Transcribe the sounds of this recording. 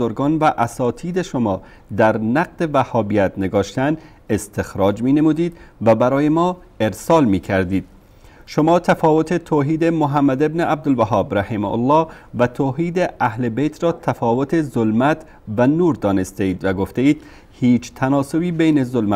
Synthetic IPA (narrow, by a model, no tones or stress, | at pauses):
oɾɡɒːnvæʔæsɒːt̪ʰiːd̪eʃomɒː | d̪æɾnæq̚d̪evæhɒːbijæt̪neɡɒːʃt̪æn | est̪ʰexɾɒːd͡ʒmiːnemuːd̪iːd̪væbæɾɒːjemɒː | eɾsɒːlmiːkʰæɾd̪iːd̪̥̚ | ʃomɒːt̪ʰæfɒːvot̪ʰet̪ʰoːɦiːd̪emoɦæmːæd̪ebneʔæb̚d̪olvæɦɒːbɾæhemo̰lːɒːvæt̪ʰoːɦiːd̪eʔæhlebejt̪ʰɾɒːt̪ʰæfɒːvot̪ʰezolmæt̪ | vænuːɾd̪ɒːnest̪eiːd̪væɡoft̪eiːd̪̥ | hiːt͡ʃt̪ʰænɒːsobiːbejnezolmæ